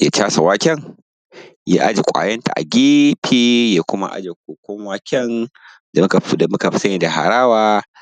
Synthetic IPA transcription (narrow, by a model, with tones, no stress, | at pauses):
ja˨˦t͡ʃaː˦sa˨waː˦kʲɛ˦ŋ | ja̰ː˦ʔa˦d͡ʒe˨kʷʼa̰ː˨jɐ˦nta̰˨ʔa̰˨ɡʲiː˦ɸʰiː˦jaː˨kʷʊ˦ma̰˦ʔa̰˦d͡ʒe˨kʷoː˨kʷɔ˦ŋwaː˦kʲɛ˦n | da˨m˦ka˨˦da˨mʊ˦ka˨ɸsɐ˦ɲiː˨da˨ha̰˨ɾaː˦waː˦